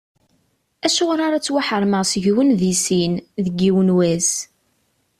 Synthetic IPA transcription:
æʃʊʁɾaɾæt͡sːwaħəɾˤməʁsəʝwənðisinðəɡːiwənwæs

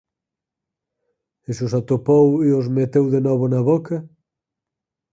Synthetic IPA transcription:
ɪsʊs̬at̪opowiʊzmet̪ewðenɔβʊnɐβokɐ

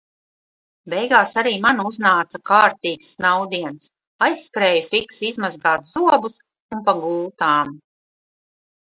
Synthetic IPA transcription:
bɛjɡaːsaɾiːmanuznaːt̪sakaːɾt̪iːksnawd̪iɛns | ajsːkɾɛːjufiksizmazɡaːt̪z̥uɔbus | unpaɡulˠt̪aːm

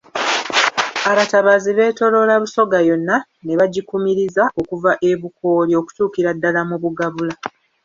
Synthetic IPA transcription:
aβataβaziβe̞ːto̞lo̞laβuso̞ɡajo̞nːa | ne̞βaɟikumiɾizaʔo̞kuvaʔe̞βuko̞lio̞ku̥tuːkiɾadːalamuβuɡaβula

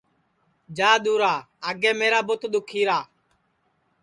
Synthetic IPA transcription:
d͡ʒaːɗ̪uːɾaː | aːɡeːmeːɾaːbʊt̪ɗ̪ʊkʰːiːɾaː

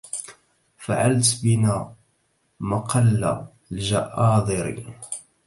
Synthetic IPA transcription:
faʕalt̪bɪna | mɑqɑlːa̰ | lʒaʔɑːd̪ˤɨɾḭ

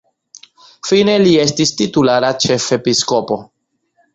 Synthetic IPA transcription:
fine̞lie̞stistitulaɾat͡ʃe̞fe̞pisko̞po̞

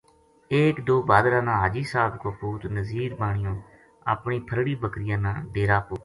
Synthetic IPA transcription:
eːkd̪oːbaːd̪ɾãːnãːɦaːd͡ʒiːsaːbkoːpuːt̪nəziːɾmaːɳɪjõː | a̰ːpɳiːpʰəɾɽiːbəkɾɪjãːnãːɖeːɾaːpoː

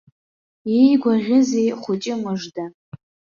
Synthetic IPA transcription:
ejɡʷaʁʲɪzejχʷʊt͡ʃʼɪmɨʐda

